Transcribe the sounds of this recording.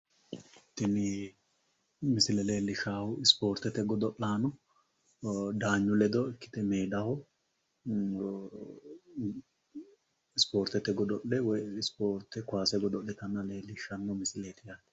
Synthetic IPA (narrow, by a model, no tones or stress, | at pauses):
t̪ːɪnɪ | mɪsɪlɛle̞ːlːɪʃaːhʊɪspo̞ːɾt̪ɛt̪ɛɡɔd̪ɔʔːaːnʊ | d̪aːɲːʊlɛd̪ɔɪkːɪ̥t̪ɪmeːd̪ɐhɔ | ɪspo̞ːɾt̪ɛt̪ːɛɡɔd̪ɔʔːɛwɔjɪspoːɾt̪ːɛkʊaːsɛɡɔd̪ɔʔːɛt̪ɐnːɐle̞ːlːɪʃɐnːɔmɪsɪleːt̪ɪja